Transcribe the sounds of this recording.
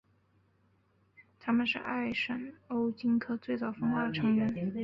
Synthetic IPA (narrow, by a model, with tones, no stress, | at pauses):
t̪ʰa˥mə˨nʂɻ̩̰˥˧ʔa˥˩ɪʂə˨˩no˥ʊt͡ɕi˥ŋkʰɤ˥t͡swe˥˧ɪt͡sɑ˥˩ʊfɤ˥ŋxwa˥˩d̪ə˩ʈ͡ʂʰɤ˧˥ŋɥɛ˧˥n